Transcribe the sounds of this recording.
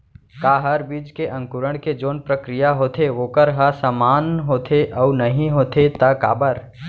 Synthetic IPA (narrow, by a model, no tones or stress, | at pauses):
kaːɦəɾbiːd͡ʒkeʔɐ̃ŋkʊɾəɽ̃ked͡ʒoːnpɾəkɾɪjaɦoːt̪ʰeʋoːkəɾɦɐsamaːnɦoːt̪ʰeʔɔʊnəɦĩɦoːt̪ʰet̪ɐka̰ːbəɾ